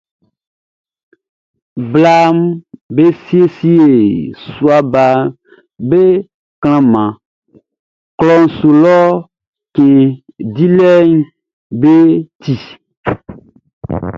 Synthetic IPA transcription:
bla˦mbe˦si˦e˦si˦e˨su˨a˨ba˨ | be˦ | kl̃ã˦mã˨ | klɔ˦n˨su˨lɔ˦ | kẽ˨di˦lɛ˦ɲ | be˦ti˨

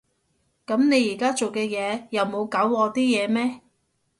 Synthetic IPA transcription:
kɐ˨˥mne˨˧jiː˨˩kaː˥t͡so˨wkɛː˧jɛː˨˧jɐ˨wmo˨˧wkaː˨˥wɔː˨˧t̪iː˥jɛː˨˧mɛː˥

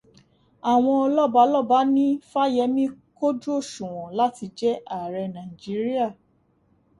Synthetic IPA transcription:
a˨w̃ɔ̃˧ɔ˧lɔ˦ba˨˦lɔ˦ba˨˦nĩ˦fa˦jɛ˧˦mĩ˦ko˦d͡ʒu˦o˦˨ʃũ˨w̃ɔ̃˨la˦ti˧d͡ʒɛ˦a˦˨ɾɛ˧nã˨i˨d͡ʒi˨˦ɾi˦a˦˨

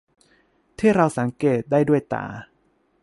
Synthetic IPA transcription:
t̪ʰiː˥˩ɾa˧wsa˩˦ŋkeː˨˩t̪̚daː˥˩jdu˥˩əjt̪a̰ː˨˩

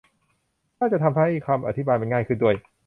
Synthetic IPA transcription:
naː˥˩t͡ɕa˨t̪ʰa˧mha˥˩jkʰaː˧mʔa̰˨˧t̪ʰi˦baː˧jma˧nŋaː˥˩jkʰɯ˥˩ndu˥˩əj

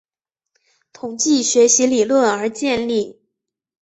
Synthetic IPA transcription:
t̪ʰʊ˨˩ŋt͡ɕi˥˩ɕɥɛ˧˥ɕi˧˥li˨˩lwə˥˩nə˞˧˥t͡ɕjɛ˥˧nli˥˩

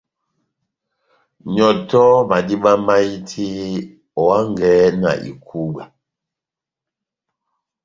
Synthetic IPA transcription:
ɲɔ˨tɔ˦ma˨di˦ɓa˦ma˦i˦tʰi˦ | ɔ˨a˦ŋ˨ɡɛ˨˦na̰˨ʔḭ˨kʰu˦ɡa˨

